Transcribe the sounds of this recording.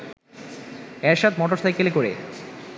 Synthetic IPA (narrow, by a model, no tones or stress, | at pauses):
ɛʃat̪mɔʈoɾst̪ʰajkelekoɾḛ